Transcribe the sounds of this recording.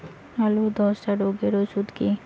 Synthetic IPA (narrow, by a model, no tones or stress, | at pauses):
alod̪ɔsʈaɾoɡeɾosud̪ke